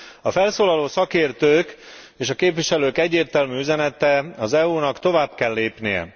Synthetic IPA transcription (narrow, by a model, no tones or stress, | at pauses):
ɒfɛlsoːlɒloːsɒkeːrt̪øːk | eːʃɒkeːpviʃɛløːkɛɟːeːrt̪ɛlmyːyzɛnɛt̪ɛɒzɛuːnɒkt̪o̞vaːbkɛlːeːpnijɛ̰